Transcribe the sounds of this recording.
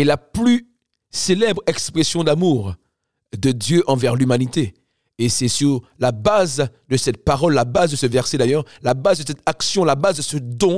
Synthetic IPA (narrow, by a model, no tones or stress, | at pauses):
ɛlaply | selɛbʁɛkspχesjɔ̃d̪amuːʁ | d̪əd̪jøʔɑ̃vɛʁlymanit̪e | esɛsyʁlabazd̪əsɛt̪̚paʁɔlːabazd̪əsəvɛʁsɛd̪ajœʁlabazd̪əsɛt̪aksjɔ̃labazd̪əsəd̪ɔ̃